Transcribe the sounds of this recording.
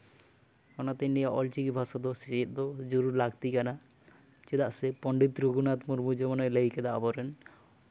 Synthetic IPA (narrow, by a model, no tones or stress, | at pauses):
kɔnat̪enːijaʔɔlt͡ʃikibʱasɔd̪ɔset͡ʃit̪̚d̪ɔd͡ʒuɾuɾlaɡt̪ikana | t͡ʃed̪aʔsepɔɳɖit̪ɾuɡunat̪muɾmud͡ʒemɔnɔelaiked̪aʔabɔɾen